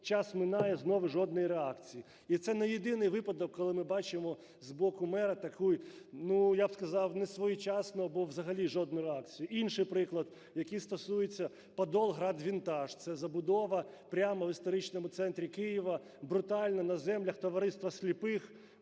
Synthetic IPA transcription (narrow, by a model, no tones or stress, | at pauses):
t͡ʃɑsmɪnɑjɛznɔʋɪʒɔd̪̚nɔjiɾeɑkt͡sʲiji | it̪sɛnɛjed̪ɪnɪjʋɪpɐd̪ɔkːɔlˠɪmɪbɑt͡ʃɪmɔ | zbɔkʊmɛɾɐt̪ɐkʰujnujabskɐzɑwnɛsʋɔjut͡ʃɑsnʊɐbɔʋzɐɦɐlʲiʒɔd̪nʊɾeɑkt͡sʲijʊʔinʃɪjpɾɪklˠɐd̪̚ | jɐkijst̪ɔsujet͡sʲːɐ | pɐd̪ɔlˠɦɾɑd̪ʋʲint̪ɑʃt̪sɛzɐbʊd̪ɔʋɐpɾʲamɐʋist̪ɔɾɪt͡ʃnɔmʊt̪sɛnt̪ɾʲikɪjiʋɐ | bɾʊt̪ɑlʲnɐnɐzɛmlʲɐxt̪ɔʋɐɾɪst̪ʋɐsʲlʲipɪx